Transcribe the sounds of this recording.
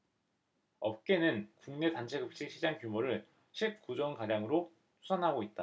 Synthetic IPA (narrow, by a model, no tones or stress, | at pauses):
ʌp̚k͈e̞nɯnkuŋne̞tant͡ɕʰe̞ɡɯp̚t͡ɕ͈ʰiɕʰid͡ʑaŋkjumoɾɯɭ | ɕʰip̚k͈ud͡ʑʌŋkaɾjaŋɯɾo | t͡ɕʰu̥sʰanɦaɡoit̚t͈a